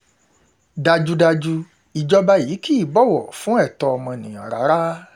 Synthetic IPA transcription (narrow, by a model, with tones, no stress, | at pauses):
da˧d͡ʒu˧da˧d͡ʒu˧ | i˨d͡ʒɔ˧ba˧ji˨˦ki˦i˦˨bɔ˦˨wɔ˨fũ˨˦ɛ˦˨tɔ˧ɔ˧mɔ̃˧nĩ˨ã˨ɾa˨˦ɾa˦